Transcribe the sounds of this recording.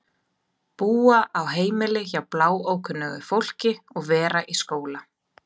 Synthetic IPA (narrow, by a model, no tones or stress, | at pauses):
puːaʔawɦeːjmɪlɪçawplaːwoːwkʰʏnːœɣʏfowl̥cɪɔɣvɛːɾaʔiskoːwla